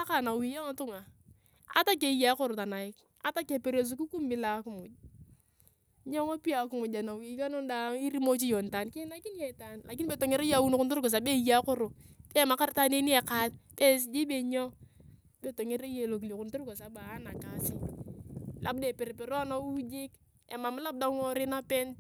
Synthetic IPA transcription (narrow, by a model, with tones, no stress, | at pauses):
a˦ka˨na˨wi˨ja˦ŋa˨˦tʊ˦ŋa˨ | a̰˦ta˦k̬e˨ja˦kʊ˦ɾo˨ta˨na˨ɪ˦k | a˦ta˦ke˨pe˨ɾe˨s̬u˦ku˦ku˦mbi˦la˨˦ku˦mʊ˨d͡ʒ | ɲo˦ŋo˦pi˦a˨˦ku˦mu˨d͡ʒa˨na˨wi˨˦ka˦no˦nda˨˦i˦ɾi˦mo˦t͡ʃi˦jo˨nta˨nkɪ˦na˦ki˦n˦je˨ta˨nla˨ki˦nbe˨to˨ŋe˦ɾe˦ja˨wu˦n˦kʊ˦ntu˦ɾko˨s̬a˨be˦ja˦kʊ˦ɾo˨ke˦ma˨˦ka˦ɾta˦ne˦ni˦e˨ka˦t̚be˦s̬d͡ʒi˦be˨ɲo˦ | be˨to˨ŋe˦ɾe˦je˨lo˨ki˨li˨kʊ˨ntu˦ɾɡo˨sa˨baː˨˦na˨ka˨si˦ | lʔa̰˨b̚de˨pe˨ɾe˨pe˨ɾo˦a˦na˦u˦d͡ʒi˦k | ḛ˨ma˨m˦la˦b̚da˦ŋo˦ɾɪ˦na˦pe˦nt